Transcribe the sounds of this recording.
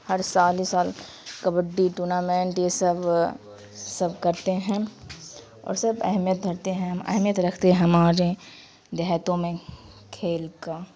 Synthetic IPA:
hɐɾsaːlisaːl | kɐbəɖːiʈuːnaːmẽːɳʈjesɐb | sɐbkɐɾt̪eɦɛ̃ | ɔ̰ːɾsɐbɐ̰ɦmjət̪̚d̪ʱɐɾt̪eɦɛ̃ɦɐmɐ̰ɦmjət̪ɾɐkʰt̪eɦɛ̃ɦɐmaːɾe | d̪aɦt̪õmẽ | kʰeːlkaː

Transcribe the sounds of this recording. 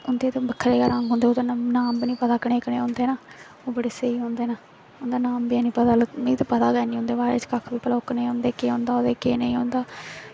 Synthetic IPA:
ʊnd̪eːt̪ebəkʰːəɾeːkaɾãŋɡɦʊ̃nd̪eːoːd̪ennaːmbnĩːpət̪aːkəɽeːkəɽeːɦõnd̪eːnaː | oːbəɽeːseiːɦõːnd̪eːnaː | ʊnd̪aːnaːmbiaːnĩːpət̪aːlmĩt̪epət̪aːɡɛːniːɦʊ̃nd̪eːbaːɾḛːt͡ʃkəkʰbiːpəloːknẽːɦõnd̪eːkeːɦõːnd̪aːoːd̪eːkeːnəĩːɦoːnd̪aː

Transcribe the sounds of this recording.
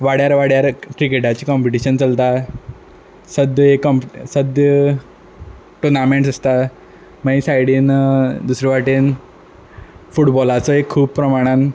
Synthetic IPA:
ʋaɽjaɾʋaɽjaɾkɾikeʈat͡ɕikɔmpeʈiɕənt͡səlt̪a | səd̪jekːɔmpsəd̪jə | ʈunameɳʈsəst̪a | maisajɽiːnd̪usɾeʋaʈin | fuʈbɔlat͡sɔekʰːuːb̚pɾəmaɽ̃ãn

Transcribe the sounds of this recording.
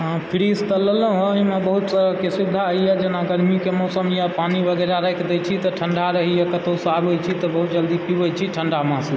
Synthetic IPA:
ɦãpʰiɾist̪ələlɦɦimebəɦut̪səɾəɦkesud̪ʱːaɦəɦiɛd͡ʒenaɡəɾmikemɔsəmjapanibʱəɡəɾaɾəjkʰd̪ɛt͡ʃʰit̪ɔʈʰəɳɖaɾəɦijɛkət̪osabɦot͡ʃʰit̪ɔbəɦut̪̚d͡ʒəld̪ikiɦojt͡ʃʰiʈʰəɳɖamãsl

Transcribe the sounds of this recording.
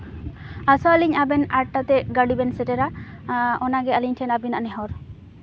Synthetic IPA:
asɔaliɲabɛnaʈːat̪ɛɡaɽibɛnsɛʈɛɾa | ɔnaɡɛaliɲtʰɛnabinaʔanɛɦɔɾ

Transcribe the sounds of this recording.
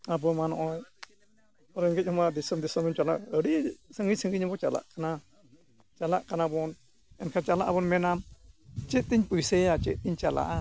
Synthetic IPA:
abɔmanɔ̰ʔɔ | ɔɾɛŋɡɛc̚ˀhɔmad̪isɔmd̪isɔmɔmt͡ʃalaʔəɽisəŋɡisəŋɡiɲɔbɔt͡ʃala̰ʔkana | t͡ʃalaʔkanabɔn | ɛnkʰat͡ʃalaʔabɔnmɛnamt͡ʃɛt̪iɲpujsɛat͡ʃɛʔ̚t̪iɲt͡ʃala̰ʔa

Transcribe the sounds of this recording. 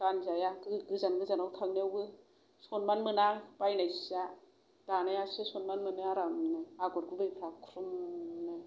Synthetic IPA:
kanzajaɡɯɡɯzanɡɯzanawtʰaŋniawɡɯ | sɔnmanmɯnapajnajsa | d̥anajasɯsɔnmanmɯnɯaɾamnɯaɡɔɾɡubɯjpʰɾakʰɾumnɯ

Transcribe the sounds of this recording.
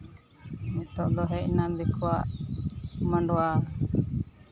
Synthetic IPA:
mɛt̪ɔʔd̪ɔɦɛʔnad̪ɛkɔwaʔ | mãɳɖɔwa

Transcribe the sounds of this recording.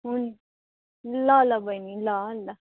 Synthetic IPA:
uni | lːalːabajnilːalːa

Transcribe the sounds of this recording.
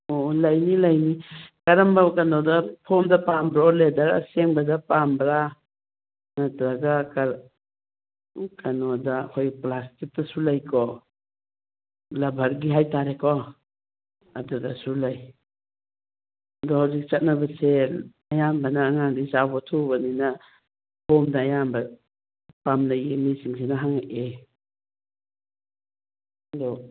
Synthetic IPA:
olajnilajnikaɾambakanɔdapʰɔmdapambɾaoledaɾa̰seŋbadapambɾa | natɾaɡakaɾ | kanɔdakʰojplastik̚tasulajkʰɔ | lɐbʱaɾɡiɦajtaɾekʰɔ | adudasulaj | adɔhawzik̚t͡ʃat̚nabase | ajambanaːŋaŋdizawbɔtʰubanina | pɔmdaːjamba | pamnajenisiŋsʰinaɦaŋaʔe | dɔ

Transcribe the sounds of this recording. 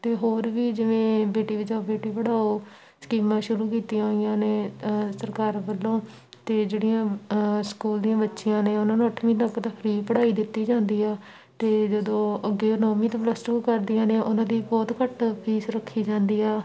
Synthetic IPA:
t̪eːɦoːɾʋiːd͡ʒɪʋẽːbeːʈiːʋəd͡ʒaːoːbeːʈiːpəɽaːoː | skiːmãːʃʊɾuːk̬iːt̪ijãɦoːɪjãːneːsəɾkaːɾbəlːõː | t̪eːd͡ʒeːɽijãːskuːld̪ijãːbətːʃɪjãːneːʊnãːnũːəʈʰːʋĩːt̪əkt̪əpʰɾiːpəɽaːiːd̪ɪt̪ːiːd͡ʒãːnd̪iːɛː | t̪eːd͡ʒəd̪õːəɡeːnɔːmĩːt̪õpləsʈɪŋkəɾd̪ijãːneːʔʊnãːd̪iːbɔːt̪kəʈpiːsɾəkʰːiːd͡ʒãːnd̪iːɛː

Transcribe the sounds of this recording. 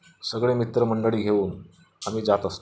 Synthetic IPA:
səɡɭemit̪ɾəməɳɖəɭiːɡʱeuːn | amiːd͡zat̪əst̪o

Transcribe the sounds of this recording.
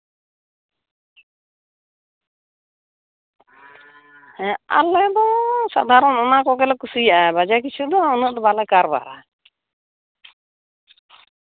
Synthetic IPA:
ɛa̰lɛd̪ɔsa̰d̪ʱaɾɔnɔnakɔɡɛlɛkusijaʔabad͡ʒak̬it͡ʃʰud̪ɔːnəʔd̪ɔbalɛkaɾba̰ɾa̰

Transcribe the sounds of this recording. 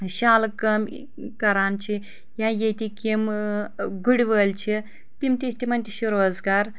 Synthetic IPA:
ɕaːlkɐm | kɐɾaːnt͡ʃʰi | jãːjet̪ikim | ɡuɽiʋəːlt͡ʃʰi | t̪imt̪ʲest̪ʲimɐnʲt̪ʲiʃiɾoːzɡaːɾ

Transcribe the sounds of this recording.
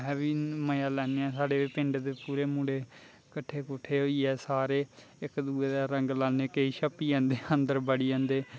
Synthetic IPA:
ɦɛːʋiːməjaːlɛːneːɛ̃ːsaːɽeːiːpɪ̃ɳɖd̪eːpuːɾeːmũːɽeː | kəʈʰːeːkʊʈʰːeːɦoːiːɛːsaːɾeː | ɪkd̪uːeːd̪aːɾəŋɡlaːneːkeiːʃʰəpːiːãːnd̪eːənd̪əɾbəɽiːãːnd̪eː

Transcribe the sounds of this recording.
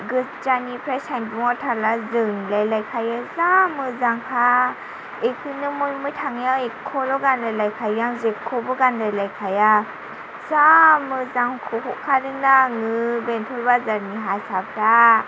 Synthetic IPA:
ɡɯd͡ʒanipʰɾasanbuŋɔtʰalazɯnilajlajkʰajɯzamɯzaŋkʰa | ekʰɯnɯmujmujtʰaŋjaekʰɔlɔɡandajlajkʰajaŋzekʰːɔbɯɡandajlajkʰaja | zamɯzaŋkʰɔɦɔʔkʰadɯŋnaŋɯbentʰɔlbazaɾniɦasap̚ta

